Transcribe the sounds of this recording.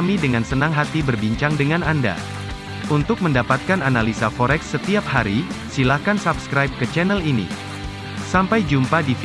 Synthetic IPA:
midəŋansənaŋɦat̪ibərbiɲt͡ʃaŋdəŋananda̰ | unt̪ʊk̚məndapat̪̚kananalisafoɾɛksːət̪iap̚haɾisilahkansabskɾajp̚kət͡ʃɛnɛlinḭ | sampajd͡ʒumpadif

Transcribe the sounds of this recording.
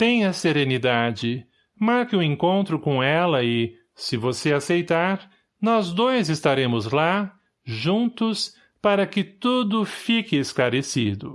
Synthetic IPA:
t̪ẽj̃ɐseɾenid̪ad͡ʒɪ | maɾkɪʊẽŋkõnt̪ɾʊkõw̃ɛlɐɪ | sɪvoseasejt̪aɾ | nɔzd̪ojzɪst̪aɾẽmʊzla | ʒũnt̪ʊs | paɾɐkɪt̪ud̪ʊfikɪesklaɾesid̪ʊ

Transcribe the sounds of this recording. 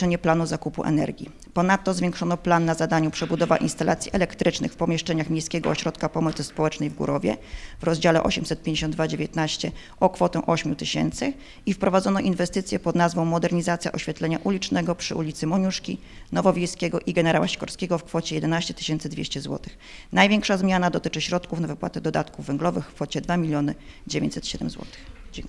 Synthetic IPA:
ɛɲɛplanuzakupṵʔɛ̰nɛ̰ɾɡʲḭ | pɔn̪at̪ːɔzvʲjɛ̃ŋkʂɔnɔplanːazad̪aɲupʂɛbud̪ɔva̰ʔḭnst̪alʔa̰t̪sʲiʔɛlɛkt̪ɾɘt͡ʂnɘxfpɔmʲjɛʂt͡ʂɛɲaxmʲejskʲɛɡɔɔɕɾɔt̪kapɔmɔt̪sɘspɔwɛt͡ʂnɛjvɡṵɾɔvʲjɛ̰vɾɔzd͡ʑalɛʔɔ̰ɕɛmsɛt̪̚pʲjeɲd͡ʑeɕ̬ɔnd̪d̪vad͡ʑevʲjɛt̪naɕt͡ɕɛ | ɔkfɔt̪ɛ̃ʔɔɕmʲjut̪ɘɕɛ̰nt̪sɘ | ifpɾɔvad̪zɔnɔʔinvɛst̪ɘt̪sʲjɛpɔd̪nazvɔ̃w̃mɔd̪ɛɾɲizat̪sʲja̰ʔɔɕfʲjat̪lɛɲaʔulʲit͡ʂnɛɡɔpʂɘʔṵlʲit̪sɘmɔɲuʂkʲi | nɔvɔvʲjejskʲɛɡɔʔiɡɛnɛɾawaɕkɔɾskʲɛɡɔfkfɔt͡ɕɛjɛd̪ɛnaɕt͡ɕɛt̪ɘ̥ɕɛnt̪sɘd̪vʲḛɕt͡ɕɛzwɔ̰t̪ɘ̥x | najvʲɛŋkʂazmʲjanad̪ɔt̪ɘt͡ʂɘɕɾɔt̪kufnavɘpwa̰t̪ɛd̪ɔd̪at̪kuvːɛŋɡlɔvɘxkfɔt͡ɕɛd̪vamʲilʲjɔnɘd͡ʑevʲḛɲt͡ɕʲsɛt̪ɕɛd̪ɛ̰mzwɔ̰t̪ɘ̥xd͡ʑ

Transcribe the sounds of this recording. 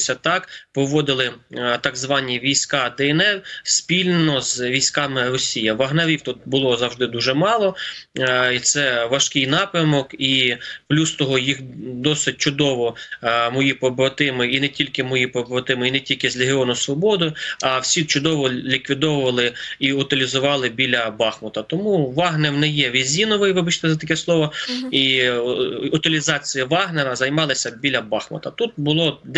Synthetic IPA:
sʲɐt̪ɑkpɔʋɔd̪ɪlˠɪt̪ɐɡzʋɑnʲːiʋʲijsʲkɑd̪ɛɛnɛrsʲpʲilʲnenɔzʋʲijsʲkɑmɪrɔsʲijɐʋɐɦnɐʋʲiwt̪ut̪̚bʊlˠɔzɐwʒd̪ɪd̪uʒɛmɑlˠɔ | it̪sɛʋɐʃkɪjnɑpɾʲɐmɔkiplʲust̪ɔɦɔjixd̪ɔsɪt̚ʲt͡ʃʊd̪ɔʋɔmɔjipɔbɾɔt̪ɪmɪinɛtʲilʲkɪmɔjipɔbɾɔt̪ɪmɪinɛtʲilʲkɪzʲlʲeɦʲɪɔnʊsʋɔbɔd̪ʊjʊɐwsʲit͡ʃʊd̪ɔʋɔlʲikʋʲid̪ɔwʊʋɐlˠɪiʊt̪ɪlʲizʊʋɑlˠɪbʲilʲɐbɑxmɔt̪ɐt̪ɔmuʋɑɦnɛwnɛjɛʋʲizʲinɔʋɪjʋɪbɐt͡ʃt̪ɛzɐt̪ɐkɛslˠɔʋɔi | ʊt̪ɪlʲizɑt͡sʲijiʋɑɦnɛɾɐzɐjmɑlˠɪsʲɐbʲilʲɐbɑxmɔ̰t̪ɐt̪ut̪̚bʊlˠɔd̪

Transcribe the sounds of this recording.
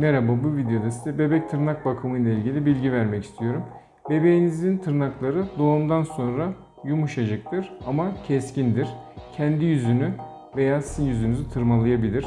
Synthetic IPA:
nɛɾababuvid̪ejo̞d̪asi̥d̪ɛbe̞bɛc̚t̪ʰɯɾnak̚bakʰɯmɯjlˠailʲɟilʲibilʲɟivæɾmɛci̥st̪ʰijo̞ɾum | be̞be̞jinizint̪ʰɯɾnaklˠaɾɯd̪o̞ːumd̪anso̞nɾa | jumuʃad͡ʒak̚t̪ʰɯɾamacʰɛscind̪iɾ̥cʰɛnd̪ijyzyny | ve̞jaːsizinjyzynyzit̪ʰɯɾmalˠajabilʲiɾ̥

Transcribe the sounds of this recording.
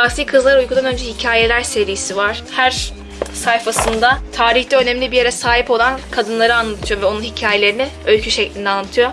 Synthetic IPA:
aːsiːkʰɯzlˠaɾujkʰud̪anø̞nd͡ʒɛhicʰaːjelʲæɾse̞ɾijisivaɾ̥hæɾ | sajfasɯnd̪at̪ʰaːɾiçd̪ɛø̞nɛmlʲibije̞ɾɛsaːɦipo̞lˠankʰad̪ɯnlˠaɾɯanlˠat̪ʰɯjo̞vɛo̞nunhicʰaːje̞lʲe̞ɾinɪ | ølʲcʰyʃɛclʲinɛanlˠat̪ʰɯjo

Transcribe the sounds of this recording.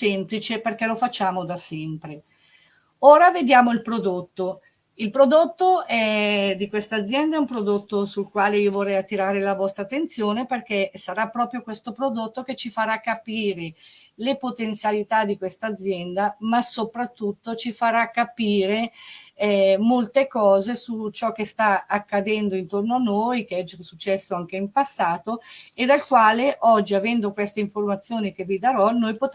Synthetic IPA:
semplit͡ʃeperk̟ɛlofat͡ʃːaːmod̪asɛmpɾe | oːɾaved̪jaːmoilpɾod̪ot̪ːo | ilpɾod̪ot̪ːoɛd̪ikwest̪aːd̪zjɛnd̪aɛumpɾod̪ot̪ːosulkwaːleiːovorːɛjat̪ːiɾaːɾelavɔst̪ɾat̪ːent̪sjoːneperk̟esaɾapːɾɔːpɾjokwest̪opɾod̪ot̪ːoket͡ʃːifaɾakːapiːɾe | lepot̪ent̪sjalit̪ad̪ikwest̪aːd̪zjɛnd̪amasopɾat̪ːut̪ːot͡ʃifaɾakːapiːɾe | molt̪ekɔːzesut͡ʃɔkːest̪aakːad̪ɛnd̪oint̪ornoanːojkeɛd͡ʒsut͡ʃːɛsːoaŋkeimpasːaːt̪oed̪alkwaːleʔɔd͡ʒːiavɛnd̪okwest̪eiɱformat̪sːjoːnik̟evid̪aɾɔnojpot̪

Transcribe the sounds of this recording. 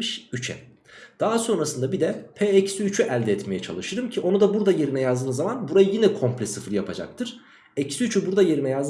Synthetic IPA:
ɯʃyt͡ʃʰɛ̰ | d̪̥aɦaso̞nɾasɯnd̪abid̪ɛpʰeːɛcsyyt͡ʃʰyʔælʲd̪ɛɛt̪me̞jɛt͡ʃʰa̰lˠɯʃɯɾɯmcʰiʔo̞nud̪abuɾd̪aje̞ɾimɛjazd̪ɯːmzamanbuɾajɯjinɛkʰo̞mplʲɛsɯfɯɾjapʰad͡ʒa̰k̚t̪ʰɯɾ̥ | ɛcsyyt͡ʃʰybuɾd̪aje̞ɾimɛjaz

